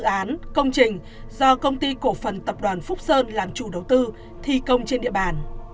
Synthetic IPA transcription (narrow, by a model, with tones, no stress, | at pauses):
ʔaː˨˦nkə˧wŋ͡mt͡ɕï˨˩ŋ̟ | zɔ˧kə˧wŋ͡mt̪i˧ko˧˩fə˨˩nt̪ə˨˩p̚ɗwaː˨˩nfʊ˦˥k͡p̚səː˧nlaː˨˩mt͡ɕu˧˩ɗə˨˩wt̪ɨ˧ | t̪ʰi˧˩kə˧wŋ͡mt͡ɕe˧nɗḭ˧˨əɓaː˨˩n